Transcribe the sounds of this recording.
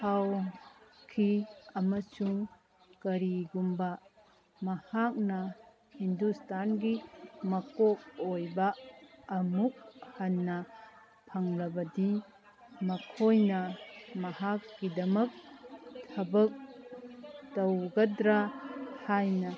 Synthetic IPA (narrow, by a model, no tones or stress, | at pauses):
haw | kʰiɐmɐsuŋ | kɐɾiɡumbɐ | mɐhak̚nɐ | hindustʰanɡimɐkok̚ojbɐː | muk̚hanːɐ | pʰɐŋlɐbɐdi | mɐkʰojnɐmɐhak̚ɡidɐmɐk̚tʰɐbɐk̚ | tɐwɡɐdɾahajnɐ